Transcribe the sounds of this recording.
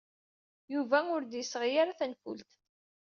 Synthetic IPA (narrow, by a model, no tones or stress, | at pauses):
juvæʊɾd̪jəsːəʁjaɾaθænfṵlt̪